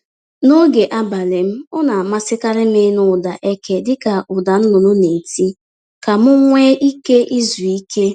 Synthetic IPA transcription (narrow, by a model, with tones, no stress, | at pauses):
no˦ɡe˨ʔa˦ba˨le˨m̩˦ɔ˦na˨a˨ma˦sɪ˦ka˦ɾɪ˦m˦ɪ˦nʊ˨da˨ʔe˦ke˦dɪ˦ka˨ʔʊ˨da˨n̩˦nʊ˨no˦ne˨ti˦ | ka˨mʊ˦ŋʷe˦ʔi˦ke˦ʔi˦zu˨i˦ke˦